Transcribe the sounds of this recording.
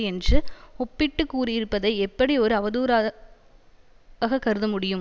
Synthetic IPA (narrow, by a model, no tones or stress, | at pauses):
ɛndrɯɔpːɪʈːɯkːuːrɪɪɾɯpːɐðɐɪɛpːɐɽiɔɾɯɐʋɐðuːɾa | ɣɐkːɐɾɯðɯmʊɽɪjɯm